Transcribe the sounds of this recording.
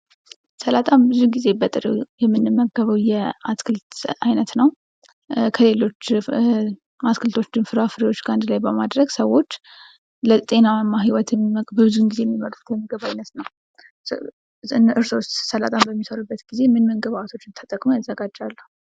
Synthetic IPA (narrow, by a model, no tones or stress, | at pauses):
səlat̪ʼambɨzuɡize̞bət̪ʼɨɾəwjɛmːɨnːɨmːəɡəβəwjɛaskʰɨlt̪ajnət̪nəw | kʰəle̞lo̞t͡ʃː | askʰɨlt̪ʰo̞t͡ʃːd̪ɨnfɨɾafɨɾiwo̞t͡ʃːɡand̪lajbəmad̪ɾəɡsəwːo̞t͡ʃː | lət̪ʼe̞namːaɦiwɔt̪ɛbəbɨzunɡizejɛmːiməɾʼuk̪ʰjməɡəβajnət̪nəw | ɨnɨɾsost̪səla̰t̪ʼʰambəmːisəɾubːət̪ɡize̞mɨnməŋɡəβat̪ʰo̞t͡ʃːɨnt̪ʰət̪ʼəkʼmujazːəɡad͡ʒːalːu